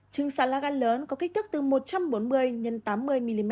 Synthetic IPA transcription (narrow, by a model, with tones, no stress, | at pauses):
t͡ɕɨ˨˩əŋsaː˧˩laː˧˩ɣaː˧nləː˨˦nkɔ˨˦ki˦˥k̟̚t̪ɨ˦˥k̚t̪ɨ˨˩mo˨˩t̚t͡ɕa˧mɓo˨˦nmɨ˨˧˩əjɲə˨˩nt̪aː˨˦mːɨ˧˩əjmi˧li˧˩mɛ˦